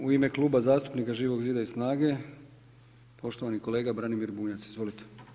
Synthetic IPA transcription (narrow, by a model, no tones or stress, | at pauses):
uime̞klˠuːbazaːst̪u̥pnikaʒiːʋo̞ɡziːd̪aisnaːɡe̞ | po̞ʃt̪o̞ʋaniko̞le̞ːɡabɾanimiɾbuːɲat̪sizʋo̞lit̪e̥